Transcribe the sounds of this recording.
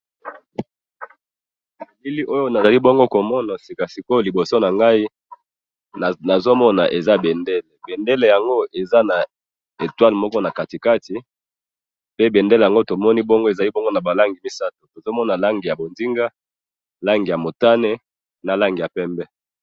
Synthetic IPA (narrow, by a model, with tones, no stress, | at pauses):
li˦li˦ʔo˦jo˦na˨za˨li˦bɔ˦ŋɡo˦ko˨mɔ˦na˨si˨ka˨si˨ko˦˨li˨bo˨so˦na˨ŋɡa˦i˦˨ | na˨zo˦mɔ˦na̰˨ʔe˨za˦be˨nde˦le˨be˨nde˦le˨ja˨ŋɡo˦ʔe˨za˦na˨ | e˨twa˦lmɔ˦kɔ˦na˨ka˨ti˨ka˦ti˨ | pe˦be˨nde˦le˨ja˨ŋɡo˦to˨mɔ˦ni˦bɔ˦ŋɡo˦e˨za˨li˦bo˦ŋɡo˦na˨ba˨la˦ŋɡi˨mi˦sa˦to˨to˨zo˦mɔ˦na˨la˦ŋɡi˨ja˨bo˨nzi˦ŋɡa˦ | la˦ŋɡi˨ja˨mo˨ta˦ne˦ | na˨la˦ŋɡi˨ja˨pɛ˦mbɛ˦